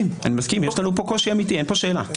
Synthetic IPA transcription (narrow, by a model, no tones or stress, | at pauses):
ima̰nimaskimjeʃlanupokoʃiamit̪ienpoʃe̞ːla̰